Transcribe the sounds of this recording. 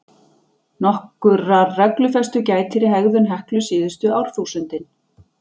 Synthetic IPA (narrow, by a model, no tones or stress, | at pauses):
nɔhkʏrarɛklʏfɛst̪ʏcaːjt̪ʰɪɾɪɦɛɣðʏnɦɛhklʏsɪːðʏst̪ʏawɾ̥θuːsʏnt̪ɪn